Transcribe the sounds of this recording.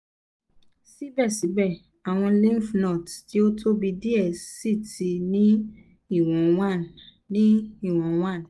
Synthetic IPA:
si˦bɛ˦˨si˨˦bɛ˦˨ | a˨w̃ɔ̃˧lĩ˦fnɔ˦˨tti˨˦o˦tʰo˦bi˧di˦ɛ˦˨si˦˨ti˧nĩ˦ | i˦˨w̃ɔ̃˨w̃ã˦˨n | nĩ˦i˦˨w̃ɔ̃˨w̃ã˦˨

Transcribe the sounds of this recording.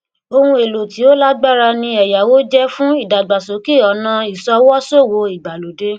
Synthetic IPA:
o˧hũ˧e˨lo˨ti˨˦o˦la˦ɡ͡ba˦˨ɾa˧nĩ˧ɛ˨ja˨wo˦d͡ʒɛ˦fũ˦i˦˨da˨ɡ͡ba˨so˨˦ki˦˨ɔ˨˦nã˧i˨sɔ˧˦wɔ˦so˦˨wo˨˦i˨ɡ͡ba˨lo˨de˦

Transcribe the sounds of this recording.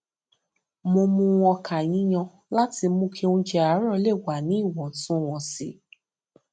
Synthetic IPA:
mo˧mũ˧w̃ɔ̃˧kʰa˨j̃ĩ˨˦j̃ɔ̃˧ | la˦ti˧mũ˦kʰe˦ũ˧˦d͡ʒɛ˧a˨˦ɾɔ˦˧˦le˦˨wa˨nĩ˨˦i˦˨wɔ̃˨tũ˦˨w̃ɔ̃˧˨si˨˦

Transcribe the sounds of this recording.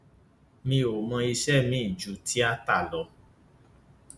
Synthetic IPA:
mĩ˧o˨mɔ̃˧i˧ʃɛ˦˨mĩ˨˦i˦˨d͡ʒu˨˦ti˦a˦ta˦˨lɔ˨˧˦

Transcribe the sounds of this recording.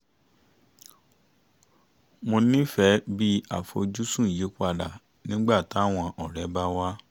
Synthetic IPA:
mo˧nĩ˦fɛ˨˦bi˦a̰˦˨fo̰˧d͡ʒu˦sũ˦˨je˨˦kʷa˧˨da˨ | nĩ˦ɡ͡ba˦˨ta˦˨w̃ɔ̃˧ʔɔ˨ɾɛ˨˦ba˦wa˦

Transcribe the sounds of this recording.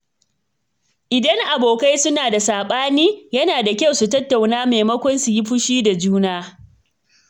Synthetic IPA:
ʔɪ˨dɐ˦ŋʔa˨boː˨ka˦jsʊ˦naː˨da˨saː˨ɓaː˦niː˦jɐ˦naː˨da˨kʲɐ˦wsu˨tɐ˦tːa˨wnaː˦meː˨mɐ˦kʷɔ˦nsu˨ji˦ɸʊ˦ʃiː˦da˨d͡ʒuː˦naː˦

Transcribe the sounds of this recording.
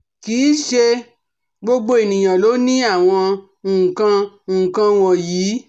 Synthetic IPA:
kiː˨˦ʃe˧ | ɡ͡bo˧ɡ͡bo˦e˨nĩ˨j̃ã˨lo˨˦nĩ˦a˦˨w̃ɔ̃˧ | u˦˨kã˧˦˨ | kã˧w̃ɔ̃˧jiː˨˦

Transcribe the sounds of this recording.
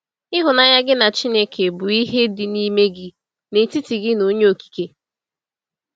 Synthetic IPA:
ɪ˦ɦʊ˨na˨ɲa˦ɡɪ˦na˨t͡ʃi˦ne˦kʰe˨bʊ˨i˦ɦe˦dɪ˨ni˦me˦ɡɪ˦ | ne˨ti˦ti˨ɡɪ˦no˦ɲe˦o˨ki̥˨ke˨˦

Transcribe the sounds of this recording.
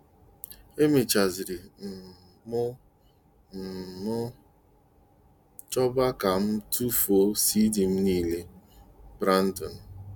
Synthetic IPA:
e˦me˨t͡ʃa˨zi˨ɾi˨n̩˨ | mʊ˦ | n̩˨nɔ˦ | t͡ʃɔ˦ba˦ka˨m̩˦tu˦fo˦si˦di˨m̩˦niː˦le˦bɾa˦n̩˦tɔ˨n̩˨

